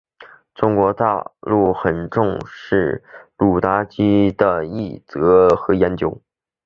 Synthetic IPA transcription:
ʈ͡ʂʊ˥ŋkwɔ˧˥t̪a̰˥˧lu˥˩xə˨˩nʈ͡ʂʊ˥˧ŋʂɻ̩˥˩lu˨˩t̪a˥t͡ɕi˥d̪ə˨i˥˩t͡sɤ˧˥xɤ˧˥jɛ˧˥nt͡ɕjo˧˥ʊ

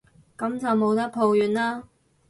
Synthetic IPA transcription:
kɐ˨˥mt͡sɐ˨wmo˨˧˥wt̪ɐ˥k̚pʰo˨˧wjyː˨nlaː˥

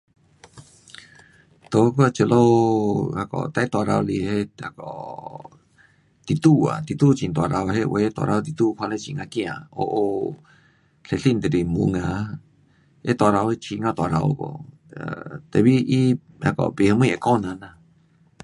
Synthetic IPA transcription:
t̪o˧ko˦a˧t͡ʃe˧lo˦a˧kɔ̰˨t̪a˧˦t̪o˧a˧ɾa˧o˧li˧he˦a˧kɔ̰˨ | t̪i˧t̪u˦a̰˨t̪i˧t̪u˦t͡ʃi˧nt̪o˧a˧ɾa˧wɦe˦˧we˧t̪a̰˧ɾʔa˧˦˧t̪i˧t̪u˦˧kʰʷa˧le˦˧t͡ʃi˧ŋa˧kĩ˦ã̰˨o̰˧ʔo˧ | ɬe˧ɬi˦˧nt̪e˨ɾi˧mṵ˧ŋã˧ | e˦t̪a˧ɾa˧we˦˧t͡ʃi˧ŋã˧t̪o˧a˨ɾa˧o̰˧ko̰˧ | t̪e˧βi˦i˦ | a˧kɔ̰˧pi˧hə˧mũ˦˧je˧˨ko˦nã˧nã˧

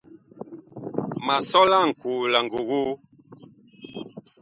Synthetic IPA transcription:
ma˨sɔ˦la˦˨ŋ̩˨ku˨la˨ŋ˨ɡo˨ɣu˦

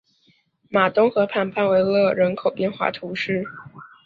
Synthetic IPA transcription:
ma˨˩t̪ʊ˥ŋxɤ˧˥pʰa˥˧npʰa˥˧nwe˧˥ɪlɤ˥˧ɻə˧˥nkʰo˨˩ʊpjɛ˥˧nxwa̰˥˩t̪ʰu˧˥ʂɻ̩˥˩

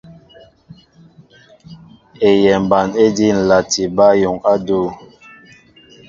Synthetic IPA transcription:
e˨jɛ˨m̩˨ba˨ne˦di˦n̩˨la˨ti˨ba˦jo˨ŋa˦do˦˨

